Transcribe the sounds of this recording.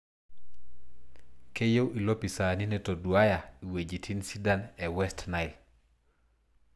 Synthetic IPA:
ke˦jo˦wʔi˨lo˦pi˨sa˨ni˦neto˨dwa˦ja˨i˨we˨d͡ʒi˨tʰi˦nsi˦da˦nɛ˨wɛstna˨ɪl

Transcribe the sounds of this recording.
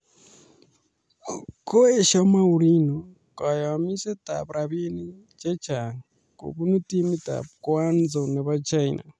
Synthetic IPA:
ko˦e˦ʃo˦ma˦u˨ɾi˦no˨ | ka˨ja˨mi˦se˦ta̰˨βɾa˨βi˦ni˦ | t͡ʃe˦t͡ʃa˨ | ko̰˨βu˦nu˦ti˦mi˦ta̰˨βkwa˦nzo˨ne˨βa˦t͡ʃa˦ina̰˨

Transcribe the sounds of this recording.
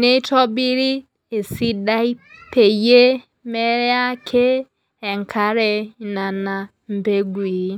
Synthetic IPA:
ne˦tɔ˦bi˦ɾi˦ | e˨si˦da˦i˦pʰe˨je˦ | me˦ɾe˦a˦kʰe˦ | e˨ŋ̩˨kʰa˨˦ɾe˨˦na˨na˨ | m̩˨be˦ɡʷi˨˦

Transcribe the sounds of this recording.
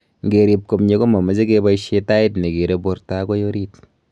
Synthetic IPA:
ŋɡe˨ɾi˨p̚ko˨mɲe˦ko˦ma˨mɐ˨se˦ke˦ba˦iʃe˦ta˦i˦tne˨ke˨ɾe˦bo˦ɾta˦ko˦jo˦ɾi˦t

